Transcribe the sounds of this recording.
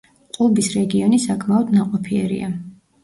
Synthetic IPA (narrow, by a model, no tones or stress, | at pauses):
qʼulˠbisɾɛɡiɔnisakʰmaɔd̪naqʼɔpʰiɛɾḭa